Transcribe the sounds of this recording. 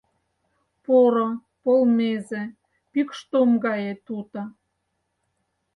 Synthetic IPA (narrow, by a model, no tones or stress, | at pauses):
poɾo | polmeze | pykʃt̪omɡɑjet̪ut̪ɑ